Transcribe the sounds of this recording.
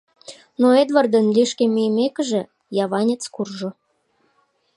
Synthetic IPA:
noed̪vɑrd̪ənlʲiʃkemʲyjəmekə̆ʒĕ | jɑβɑnʲet͡skurʒŏ

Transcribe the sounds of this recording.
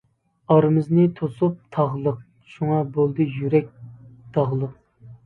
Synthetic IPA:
ɑɾmɨznɨt̪ʰosup̚t̪ʰɑʁlˠəq̚ | ʃuŋɑbolˠd̪ɨjyɾɛk̚ʲd̪̥ɑʁlˠəq

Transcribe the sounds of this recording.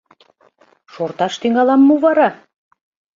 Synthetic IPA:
ʃort̪ɑʃt̪yŋɑlɑmːuvɑɾɑ

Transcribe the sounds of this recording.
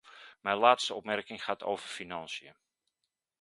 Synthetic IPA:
mɛjlaːtstəɔpmɛrkɪŋχaːtʰo̰wv̥ərfinɑnsjə

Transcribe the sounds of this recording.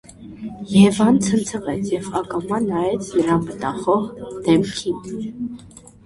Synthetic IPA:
jɛvɑnt͡sʰənt͡sʰəʁɛt͡sʰjɛvɑkɑmɑnɑjɛt͡sʰnəɾɑmət̪ɑχɔʁd̪̥ɛmkʰin

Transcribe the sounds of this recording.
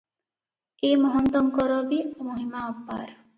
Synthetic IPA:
eːmɔɦɔnt̪ɔŋkɔɾɔbiomoɦimaɔpːa̰ːɾ

